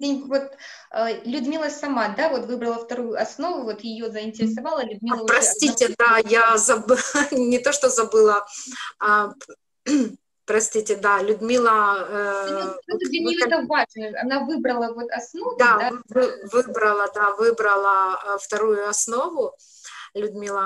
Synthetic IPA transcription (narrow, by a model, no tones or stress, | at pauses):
dʲenʲvot̪ | əlʲʊd̪mʲilˠəsɐmad̪avo̞t̪vɨbɾəlˠəft̪ɐɾujʊɐsno̞vʊvo̞t̪jɪjozəɪnʲtʲɪɾʲɪsɐvalˠəlʲʊd̪̚mʲiəpɾɐsʲtʲitʲɪd̪ajazɐbɨnʲɪt̪o̞ʂt̪ozɐbɨlˠəa | pɾɐsʲtʲitʲɪd̪alʲʊd̪mʲilˠəəoɪnit̪əvaʐnəɐ̰navɨbɾəlˠəvo̞t̪ɐsno̞vd̪adavvɨbɾəlˠəd̪avɨbɾəlˠəft̪ɐɾujʊɐsno̞vʊ | lʲʊd̪mʲilˠə